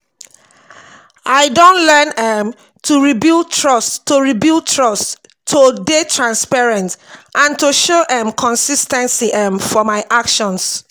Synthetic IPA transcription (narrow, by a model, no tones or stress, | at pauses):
ʔaɪdõntlɛnɛ̃m | tʰuɹibiltʰɹɔstːoɹibiltʰɹɔstʰː | odetʰɹãnspɛɹɛ̃ntʔãntuʃoʔɛ̃mkʰɔ̃nsistɛ̃nsiʔɛ̃mfɔmaɪʔakʃɔ̃ns